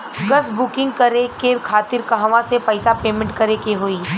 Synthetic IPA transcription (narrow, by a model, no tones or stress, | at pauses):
ɡɐsbʊkɪ̃ŋɡkɐɾekekʰaːt̪ɪɾkɐɦʋãsepɛːsapeːmẽɳʈkɐɾekeɦoːiː